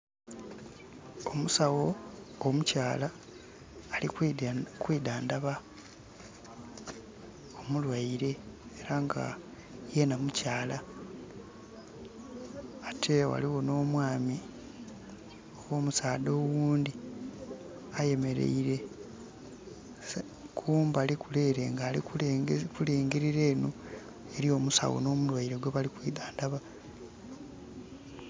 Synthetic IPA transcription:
o̞musawo̞omucaːlaː | likwiːdaːndaβa | o̞mulwaiɾe̞eɾaŋɡa̰ | je̞namucaːla | tʰe̞wa̰liwo̞no̞ːmwaːmi | owo̞ːmusaːd̪o̞ːwuːnd̪i | aje̞me̞ɾe̞̰iɾe̞ | s | kʰuːmbalikule̞ɾe̞ŋɡaːlikuleːŋɡiɾiɾe̞ːno | e̞ɾio̞musa̰wo̰no̞ːmulwaiɾe̞ɡweβalikwiːdaːndaβa

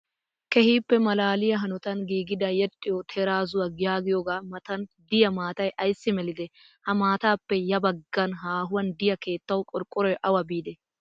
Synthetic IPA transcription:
kɛhiːpːɛmɐlaːlɪjɐɦɐnɔt̪ɐnɡiːɡɪd̪ɐjɛt̪ʼːɪjɔt̪ʰɛɾaːzʊwɐɡɪjaːɡɪjɔɡaːmɐt̪ɐnd̪ɪjɐmaːt̪ɐjʔɐjsːɪmɛlɪd̪ɛ | hɐmaːt̪aːpːɛjɐbɐɡːɐnɦaːɦʊwɐnd̪ɪjɐke̞ːt̪ːɐwkʼɔɾkʼːɔɾɔjʔɐwɐbiːd̪ɛ

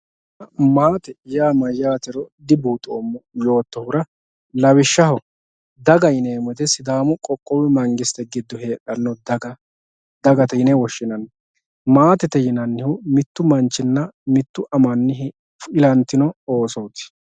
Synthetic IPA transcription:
maːt̪ɛjaːmɐjaːt̪ɛɾɔd̪ɪbuːt̪ʼoːmːɔjo̞ːt̪ːɔhʊɾɐ | lɐwɪʃːɐhɔ | d̪ɐɡɐjɪneːmɛt̪ɛsɪd̪aːmʊkʼɔkʼːɔwɛmɐŋɡɪst̪ɛɡɪd̪ːɔheːᶑɐnːɔd̪ɐɡ | d̪ɐɡɐt̪ɛjɪnɛwɔʃːɪnɐnː | maːt̪ɛt̪ɛjɪnɐnːɪhʊmɪt̪ːʊmɐnt͡ʃːɪnːɐmɪt̪ːʊʔɐmɐnːɪɦ | fɪlɐnt̪ːɪnɔoːsɔwt̪ɪ̥

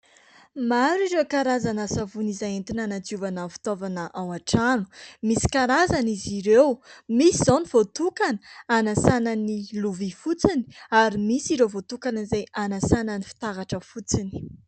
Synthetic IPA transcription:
maɾiɾewkaɾazanasavunizaent̪inanad͡zuvanafi̥t̪ovanəʔawaʈ͡ʂanu̥misi̥kaɾazaniziɾewmisizoniv̥ot̪ukanə̥anasananiluvifut͡sini̥aɾimisiɾewvot̪ukanzajʔanasanənifi̥t̪aɾaʈ͡ʂəfut͡sini̥

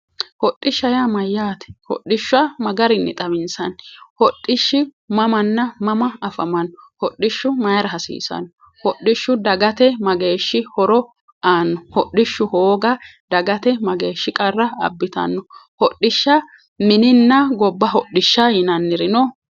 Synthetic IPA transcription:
hɔɗːɪʃːɐjamɐjːaːt̪ɛ̥hɔ̰ɗːɪʃːʊɐmɐɡɐɾɪnːɛ̰t̪ʼɐmɪnsɐnhɔɗːɪʃːɪ | mɐmɐnːɐmɐmɐːfɐ̰mɐnːɔhɔɗɪʃːʊmɐjɾɐɦɐsḭːsɐ̰nːɔ | hɔɗːɪʃːʊd̪ɐɡɐt̪ɛmɐɡeːʃːɪhɔɾɔ | aːnːɔhɔɗːɪʃːʊhoːɡɐd̪ɐɡɐt̪ɛmɐɡe̞ːʃːɪkʼɐrːɐɐ̰bːɪt̪ɐ̰nːɔhɔɗːɪʃːɐ | mɪnɪnːɐɡɔbːɐɦɔɗːɪʃːɐjɪnɐnːɪɾɪnɔ

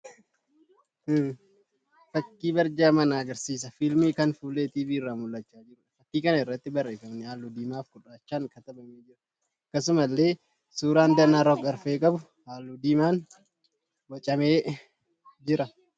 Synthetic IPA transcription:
fɐkːiːbɐɾd͡ʒaːmɐnaːɡɐɾsiːs̬ɐfɪlmiːkɐnfuːlːeːt̪iːbiːɪrːaːmʊlːɐt͡ʃːaːd͡ʒɪɾʊᶑɐfɐkːiːkɐnɐɪrːɐt̪ːɪbɐrːe̞ːfɐmnɪaːlːuːd̪iːmaːfkʊᶑaːt͡ʃːaːŋkɐt̪ɐbɐmeːd͡ʒɪɾɐ̥ | ɐkːɐs̬ʊmɐlːe̞ː | suːɾaːnd̪ɐnaɾɔkɐɾfeːkʼɐbʊ | haːlːuːd̪iːmaːn | wɐt͡ʃʼɐmeː | d͡ʒɪɾɐ

